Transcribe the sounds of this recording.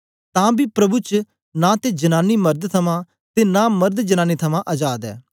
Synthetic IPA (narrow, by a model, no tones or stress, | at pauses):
t̪ãːbʱipɾɐbut͡ʃ | nãt̪ed͡ʒɐnaːnimɐɾd̪t̪ʰɐmã | t̪eːnamɐɾd̪d͡ʒɐnaːnit̪ʰɐmãʔɐd͡ʒaːd̪ɛ̰ː